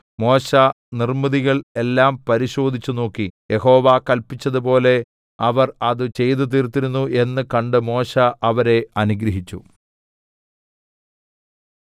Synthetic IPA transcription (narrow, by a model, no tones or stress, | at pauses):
mo̞ːɕɐ | nirmɐðiɣɐɭe̞lːaːmpɐɾiɕo̞ːd̪ʱit͡ɕːuno̞ːkːije̞ho̞ːʋakɐlpit͡ɕːɐðupo̞ːle̞ | ɐʋɐrɐðɨt͡ɕe̞jt̪̬ɨt̪̬iːrt̪ːiɾunːuʔe̞nːɨkɐɳɖɨmo̞ːɕɐʔɐʋɐɾe̞ɐnuɡɾɐɦit͡ɕːu